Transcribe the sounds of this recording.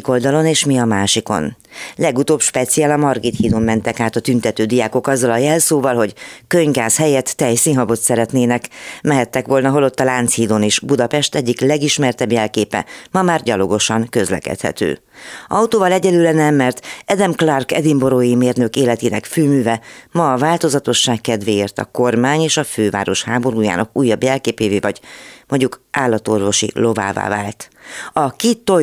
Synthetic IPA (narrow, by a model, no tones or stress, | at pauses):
ko̞ld̪ɒlo̞neːʃmiɒmaːʃiko̞̰n | lɛɡut̪oːpʃpɛt̪sijaːlɒmɒrɡit̪hiːd̪omːɛnt̪ɛkaːt̪ɒt̪ynt̪ɛt̪øːd̪ijaːko̞kɒzːɒlɒjɛlsoːvɒlɦo̞ɟkøɲɡaːshɛjɛt̪ːɛjsinɦɒbo̞t̪sɛɾɛt̪neːnɛkmɛɦɛt̪ːɛkʋo̞lnɒɦo̞lo̞t̪ːɒlaːnt̪shiːd̪oneːʃbud̪ɒpɛʃt̪ɛɟːiklɛɡiʃmɛrt̪ɛbjɛlkeːpɛ̰mɒmaːrɟɒlo̞ɡo̞ʃɒŋkø̞zlɛ̰kɛ̰t̪hɛ̰t̪ø̰ː | ɒwt̪oːvɒlɛɟɛlylɛnɛmːɛrt̪ɛd̪ɛmklɒrkɛ̰d̪imbo̞ɾoːjimeːrnø̞keːlɛt̪iːnɛkfyːmyːvɛmɒːvaːlt̪o̞zɒt̪o̞ʃːaːkːɛd̪ʋeːeːrt̪ɒ̰ko̞rmaːɲeːʃɒføːva̰ːɾo̞ʃhaːbo̞ɾuːja̰ːnɒkuːjːɒbjɛlkeːpeːveːvɒɟmo̞ɲɟukʔaːlːɒt̪o̞rvo̞ʃḭlo̞va̰ːva̰ːva̰ːlt̪ɒkit̪ːo